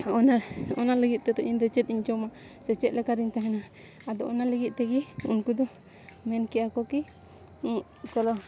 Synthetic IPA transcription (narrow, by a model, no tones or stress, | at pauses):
ɔnaɔnaləɡit̪̚t̪ɛt̪ɔʔind̪ɛt͡ʃɛt̪̚iɲt͡ʃɔma | sɛt͡ʃɛt̪̚lɛkaɾiɲt̪aɦɛna | ad̪ɔʔɔnaləɡit̪̚t̪ɛɡiunkud̪ɔ | mɛnkiakɔki | u | t͡ʃɔlɔ